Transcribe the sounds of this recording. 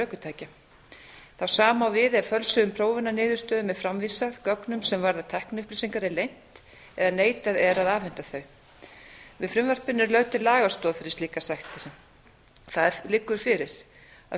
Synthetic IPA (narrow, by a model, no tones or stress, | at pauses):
œːkʏt̪ʰaːjca | θawsaːmawvɪðɛɾ̥fœlsʏðʏmpʰɾoːwvɪnːanɪːðʏ̥st̪œːðʏmɛðfɾamviːsaðkœknʏmsɛmvaɾðat̪ʰɛhknʏhplisiŋkaɾɛɾlejn̥t̪ | ɛðaneːjt̪aðɛɾaðaːvɛn̥t̪aθœɥ | vɪðfɾʏmvar̥pɪnːʏɾlœɥt̪ɪlaːɣast̪ɔːðfɪɾɪst̪liːkasajxt̪ɪɾ̥ | θaðlɪkːʏɾ̥fɪɾɪɾ̥ | a